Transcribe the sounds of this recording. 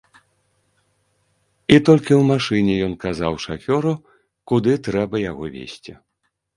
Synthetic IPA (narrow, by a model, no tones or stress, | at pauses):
it̪ɔlʲkʲiwmaʂɨnʲɛjɔnkazawʂafʲɔɾu | kud̪ɨt̪ɾɛbɐjaɣɔvʲḛsʲt͡sʲḭ